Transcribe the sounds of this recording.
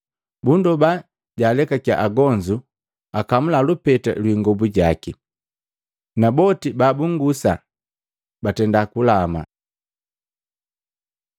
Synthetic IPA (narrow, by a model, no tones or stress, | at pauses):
bundɔba | ɟaːlɛkakja̰ʔaɡɔɲd͡ʒu | akamulalupɛta̰lwiŋɡɔbuɟaki | nabɔtibaːbuŋɡusa | batɛndakulama̰